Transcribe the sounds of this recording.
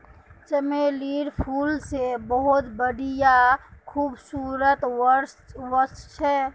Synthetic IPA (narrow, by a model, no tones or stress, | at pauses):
t͡ʃəmeliɾpʰuːlsebəɦʊt̪bəɽijakʰuːbsuːɾət̪ | wəɾst͡ʃʰɛ